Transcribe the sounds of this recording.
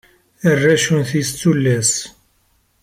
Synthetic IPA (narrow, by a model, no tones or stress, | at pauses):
ərːæʃunθist͡sːulːæs